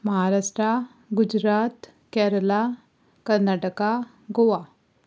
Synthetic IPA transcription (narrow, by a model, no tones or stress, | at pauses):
məɦaɾaʂʈɾa | ɡud͡ʑɾat̪ | kɛɾəla | kəɾnaʈəka | ɡoʋa